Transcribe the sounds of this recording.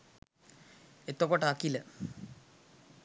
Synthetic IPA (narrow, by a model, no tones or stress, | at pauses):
et̪ːokːoʈaːkːile